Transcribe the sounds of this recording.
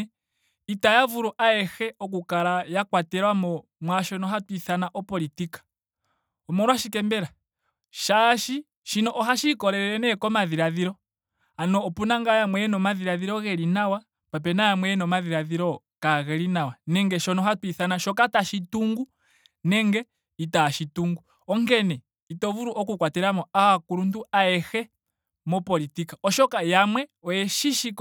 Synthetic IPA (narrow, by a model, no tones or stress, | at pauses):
itajavuɾuʔaɛxɛɔk̬ukaɾajakwatɛɾwamɔ | mwaʃɔnɔɦatwiθanaʔɔpɔlitikḁ | ɔmɔɾwaʃikɛmbɛɾa | ʃaʃi | ʃinɔʔɔɦaʃikɔɾɛɾɛnɛkɔmaðiɾaðiɾɔ | anɔːpunaŋɡajamwɛɛnɔmaðiɾaðiɾɔɣɛlinawa | pap̬ɛnajamwɛɛnɔmaðiɾaðiɾɔ | kaɣɛɾinawanɛŋɡɛʃɔnɔɦatwiθanaʃɔkataʃituŋɡu | nɛŋɡɛ | itaʃituŋɡu | ɔŋɡɛnɛ | itɔvuɾuʔɔkukwatɛɾamɔawakuɾunduaɛhɛ | mɔpɔlitikaɔʃɔkajamwɛɔjɛʃiʃik